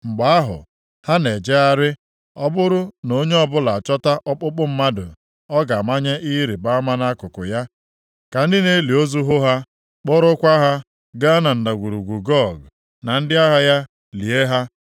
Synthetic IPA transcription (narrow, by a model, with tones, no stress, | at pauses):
ŋ͡m̩˨ɡ͡ba˨a˦ɦʊ̰˨ | ha˦ne˨d͡ʒe˦a˦ɾɪ˦ | ɔ˦bʊ˦ɾʊ˦no˦ɲe˦ɔ˦bʊ˦la˨a˨t͡ʃɔ˦ta˦ʔɔ˦k͡pʊ˦k͡pʊ˦m̩˦ma˦dʊ˨ | ɔ˦ɡa˨ma˦ɲe˦ʔi˦ɾi˨ba˦ma˦na˦kʊ˨kʊ˨ja˦ | ka˨n̩˦dɪ˦ne˦li˨o˦zu˦ɦʊ˦ɦa˦ | k͡pɔ˦ɾʊ˦kʷa˦ɦa˦ | ɡa˦na˨n̩˨da˨ɡʷu˨ɾu˨ɡʷu˨ɡɔ˦˨ɡ | na˨n̩˦dɪ˦a˦ɦa˦ja˦ | li˨e˦ɦa˦